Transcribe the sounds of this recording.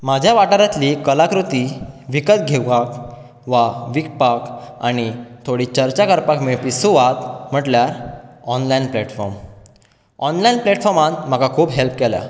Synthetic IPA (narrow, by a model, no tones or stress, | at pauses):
mad͡ʑʱjaʋaʈəɾat̪liːkəlakɾut̪iʋikət̪̚ɡʱeɡak | ʋaʋik̚paka̰ɽ̃it̪ʰoɽiːt͡ɕəɾt͡ɕakəɾpakmepisuʋat̪m̤əʈljaɾɔnlainplɛʈfɔɾm | ɔnlainplɛʈfɔɾmãt̪m̤akakʰuːbɦelp̚kɛlja̰